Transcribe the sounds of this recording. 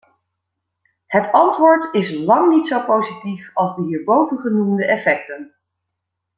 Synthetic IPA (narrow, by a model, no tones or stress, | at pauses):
hətɑntʋʊːɹtɪslɑŋnitsowpowzitifɑlˠzdəɦiːɹbowvənχənumdəʔɛfɛk̚tən